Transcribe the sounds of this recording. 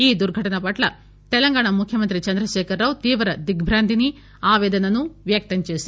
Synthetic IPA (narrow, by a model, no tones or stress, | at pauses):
iːd̪uɾɡʱɐʈɐnɐpɐʈlɐ | t̪ɛlɐŋɡaːɳɐmukʰjɐmɐnt̪ɾit͡ʃɐnd̪ɾɐʃeːkʰɐɾːaːʋt̪iːʋɐɾɐd̪iɡbʱɾaːnd̪ʱini | aːʋɛːd̪ɐnɐnːuʋjɐk̚t̪ɐɲt͡ʃisi